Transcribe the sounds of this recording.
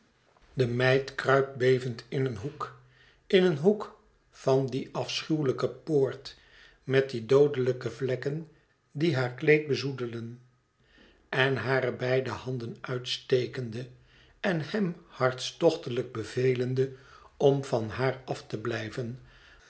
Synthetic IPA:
dəmɛjtkrœɥp̚bejvəntɪnənɦuk | ɪnənɦuk | fɑndiʔɑfsχywləkəpoːɹt | mɛt̚didowdələkəvlɛkən | diɦaːɹklejt̚bəzudələn | ɛnɦaːɾəbɛjdəhɑndənœɥtstejkəndə | ɛnhɛmhɑɹtstɔχtələɡ̚bəvejləndəɔmvɑnɦaːɹɑftəblɛjvən

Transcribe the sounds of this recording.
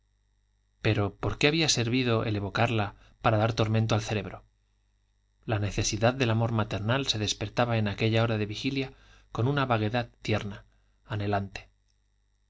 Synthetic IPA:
pe̞ɾo̞po̞ɾke̞aβiase̞ɾβiðo̞ʔe̞̰le̞βo̞kaɾla | paɾaðaɾt̪o̞ɾment̪̬o̞alθe̞ɾe̞βɾo̞ | lane̞θe̞siðaððe̞lamo̞ɾmat̪e̞ɾnalse̞ðe̞spe̞ɾt̪aβaenake̞ʎao̞ɾaðe̞βixiljako̞nunaβaɣ̞e̞ðaðt̪je̞ɾnaː | ne̞lant̪e

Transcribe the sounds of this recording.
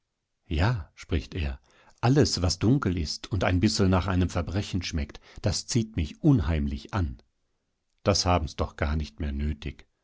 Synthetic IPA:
jaːʃpʁ̥ɪçtḛːɐ | ʔaləsv̥asd̥ʊŋkl̩ɪstʰʊntaɪnbɪsl̩naːχʔaɪnəmfɛɐbʁɛçn̩ʃmɛktd̥ast͡siːtmɪçʔʊnhaɪmlɪçʔan | d̥ashaːbm̩sd̥ɔχɡ̥aːɐnɪçtmeːɐnøːtʰɪç

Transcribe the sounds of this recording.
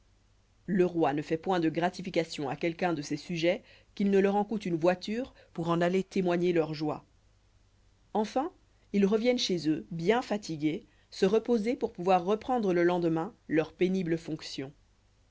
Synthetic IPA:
ləʁwanəfɛpwɛ̃d̪əɡʁat̪ifikasjɔ̃akʲɛlkɛ̃d̪əsesyʒɛ | kʲilnəlœʁɑ̃kut̪ynvwat̪yːʁ | puʁɑ̃nalet̪emwaɲelœʁʒwa | ɑ̃fɛ̃ | ilʁəvjɛnʃezøbjɛ̃fat̪ʰiɡʲe | səʁəpozepuʁpuvwaʁːəpχɑ̃d̪ʁələlɑ̃d̪əmɛ̃lœʁpenibləfɔ̃ksjɔ̃

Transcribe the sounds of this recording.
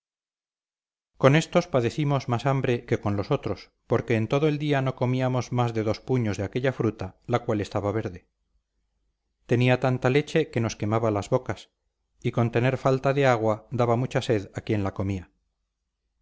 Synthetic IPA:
ko̞ne̞st̪o̞spaðe̞θimo̞zmasambɾe̞ke̞ko̞nlo̞so̞t̪ɾo̞s | po̞ɾke̞ːnt̪o̞ðoe̞ld̪iano̞ko̞miamo̞zmazðe̞ðo̞spuɲo̞zðeake̞ʎafɾut̪alakwale̞st̪aβaβ̞e̞ɾðe̞ | t̪e̞niat̪ant̪ale̞t͡ʃe̞ke̞no̞ske̞maβalazβokas | iko̞nt̪e̞ne̞ɾfalt̪aðe̞aɣwad̪aβamut͡ʃase̞ðakje̞nlako̞mia

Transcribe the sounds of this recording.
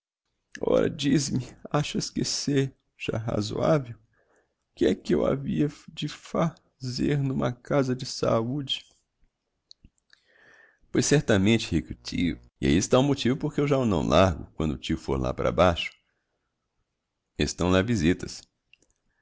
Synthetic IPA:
ɔ̰ɾɐ̰d͡ʒizɪmɪaʃʊeskeseɾ | ʒ̥a̰ɦa̰zo̰avew | kɪɛkɪewa̰viɐd͡ʒɪfa | zeɾnũmɐkazɐd͡ʒɪsa̰ud͡ʒɪ | pojsɛɾt̪ɐmẽnt͡ʃɪhikɪʊt͡ʃiʊ | ɪa̰iɪst̪aʊmot͡ʃivʊpoɾkɪewʒaʊnɐ̰̃w̃lʔaɾɡʊk̚wɐ̃d̪ʊt͡ʃiʊfo̰ɾla̰paɾɐ̰baʃʊ̥ | ḛst̪ɐ̃w̃lavizit̪ɐs

